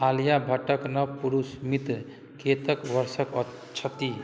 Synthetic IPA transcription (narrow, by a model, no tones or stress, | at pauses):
alijabʱəʈəknʌwpuɾusmit̪ | ket̪əkʋəɾsəkə | t͡ʃʰət̪i